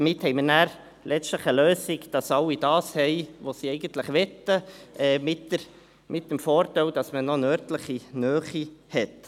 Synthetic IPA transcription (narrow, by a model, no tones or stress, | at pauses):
mɪthɛɪmənæːɾ | lʔɛt͡stləχəløːsɪkd̥ɑsɑlːid̥ɑːshɛɪʋosiɛɪɡəntləχʋɛtːəʔɛːmɪtːəɾ | mʔɪt̚dəmfɔːɾtɛldɑsmənonœːɾtləχinœːχihɛt